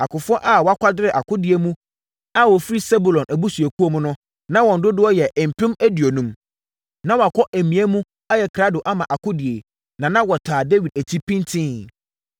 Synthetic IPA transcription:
a˨kʊ˨fʊ˦ɔ˦ʔa˦˨wɔ˨˦a˦kʷa˦dɪ˦ɾɪ˨ʔa˨kʰʊ˦dɪ˨e˨mũ˦ | a˦wɔ˨fi˦ɾi˦sɛ˦bu˨lɔ̃˨nʔæ˨bu˦su˨e˨kʰu˦o˦mʊ̃˦nʊ̃˦ | nã˦wɔ̃˨n̩˨dʊ˦dʊ˦ɔ˦jɛ˨ʔm̩˨pʰɪ̃˦mæ˦di˨o˨nũ˦m | nã˦wa˨kʷʰɔ˦ʔæ˨mĩ˨æ˦mũ˦ | a˦jɛ˨kʰɾa˦dʊ˨ʔa˦mã˨ʔa˨kʰʊ˦dɪ˨e˨ | nã˨nã˦wɔ˨tʰaː˨de˦wi˨d̚æ˨tʰi˦pʰĩ˦n˦tʰɪ̃˦

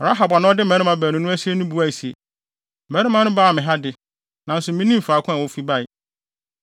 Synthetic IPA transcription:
ɾa˦ɦa˨ba˨nʊ̃˦ɔ˦dɪ˦m˨ɛ̃˨˦ɾɪ̃˦mã˦bæː˨nʊ̃˦nʊ̃˦æ˦si˦e˦nʊ̃˦bu˦a˦˨si˨ḛ˨ | m̩˨mɛ̃˦ɾɪ˦mã˦nʊ̃˦baː˦˨mɪ̃˨ɦa˦dɪ˨ | nã˨n̩˦sʊ˨mĩ˦nĩ˦m̩˨fa˨˦˨kʰʊ̃˦a˨wɔ˦fi˦ba˦˨j

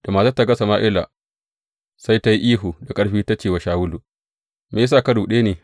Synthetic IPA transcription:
d̥a˨maː˨za˦tːa˦˨ɡɐ˦sa˨maː˦ʔɪ˦la̰˨ | sa˦jta˦ji˦ʔiː˦ɦuː˨da˨kʼɐ˦ɽɸiː˦ta˦t͡ʃeː˨wa˨˦ʃaː˨wʊ˦lu˨ | me˨˦s̬aː˦˨kɐ˦ɽuː˨ɗeː˦neː˨

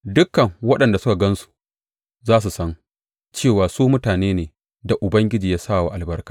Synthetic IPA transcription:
dʊ˦kːɐ˨ŋwɐ˦ɗɐ˨nda˨sʊ˦ka˨ɡɐ˦nsu̥˨ | zaː˦s̬u˨sɐ˦ŋ | t͡ʃeː˦˨waː˨suː˦mʊ˦taː˨neː˦neː˨ | da˨ʔʊ˨bɐ˦ŋɡʲɪ˦d͡ʒiː˨jaː˦saː˦˨wa˨ʔa˨lbɐ˦rkaː˨

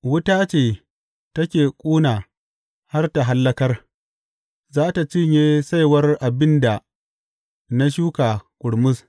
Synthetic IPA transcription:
wʊ˦taː˦t͡ʃeː˨ | tɐ˦kʲeː˨kʷʼuː˦naː˨ | ha˦rta˨ɦa˦lːɐ˦kɐ˦r | zaː˦ta˨t͡ʃɪ˦ɲjeː˦sa˦jwɐ˦rʔa˨bɪ˦nda˨ | na˦ʃ̬uː˦kaː˨kʷʼʊ˨ɽmʊ˦s

